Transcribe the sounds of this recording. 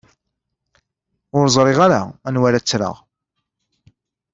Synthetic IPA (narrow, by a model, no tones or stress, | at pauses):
ʊɾzˤɾˤɪʁaɾaænwæɾæt͡sːɾə̰ʁ